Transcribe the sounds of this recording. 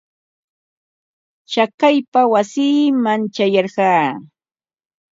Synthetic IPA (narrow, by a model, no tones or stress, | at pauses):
t͡ʃakajpawasiːmant͡ʃajɑɾɢɑː